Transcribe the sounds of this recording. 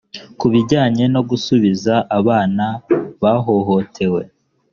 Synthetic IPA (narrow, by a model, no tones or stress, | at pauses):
kuβiɾɟaːɲe̞no̞ɡusuβizaʔaβaːnaβaɦo̞ɦo̞tʰe̞we̞